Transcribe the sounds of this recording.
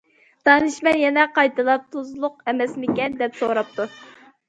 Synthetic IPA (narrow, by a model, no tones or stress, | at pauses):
d̪̥ɑnɨʃmɛnjɛnɛqɑjt̪ɨlˠɑp̚t̪ʰuzlˠʊq̚ɛmɛsmɪkʲɛnd̪ɛpsoɾɑp̚t̪ʰu